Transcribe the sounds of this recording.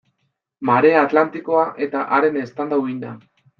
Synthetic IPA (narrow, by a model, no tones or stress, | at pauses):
maɾe̞aːt̪lant̪iko̞aʔe̞t̪aʔaɾe̞nest̪and̪auind̪a